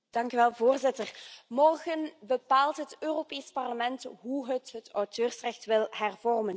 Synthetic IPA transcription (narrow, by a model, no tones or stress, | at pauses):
d̥ɑŋkyʋɛlˠvoːrzɪtərmɔrɣənbəpaːlˠtɦətøːropeːspɑrləmɛntɦuɦətɦətœwtøːrsrɛxtʋɪlˠɦɛrvɔrmən